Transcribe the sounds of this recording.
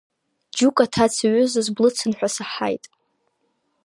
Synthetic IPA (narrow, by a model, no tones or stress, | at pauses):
d͡ʒukʼatʰat͡sʰaɥʊzazblɨt͡sʰɨnħʷᶣasaħa̰jtʼ